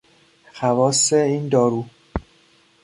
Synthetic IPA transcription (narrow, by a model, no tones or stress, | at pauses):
xævɒːseiːnd̪ɒːɾuː